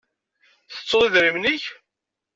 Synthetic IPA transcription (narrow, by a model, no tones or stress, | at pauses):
θə̥t͡sːʊðˤiðɾimniç